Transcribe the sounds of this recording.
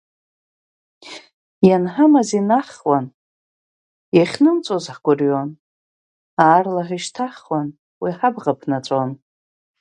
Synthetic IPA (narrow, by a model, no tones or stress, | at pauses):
janħamazinaχwan | jaχʲnɨnt͡sʷʼozħɡʷʊrjon | aːrlaħʷiʃtʰaχwan | wiħabʁapʰnat͡sʷʼon